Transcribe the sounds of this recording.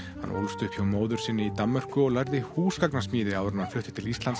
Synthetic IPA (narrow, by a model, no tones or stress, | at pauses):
ha̰no̰wlst̪ʏhpçawmoːwðʏɾ̥sɪnːɪit̪amːar̥kʏɔɣlajɾðɪhuːskaknasmiːðɪaːwɾʏnaflʏht̪ʏ̥t̪ʰɪlist̪lant̪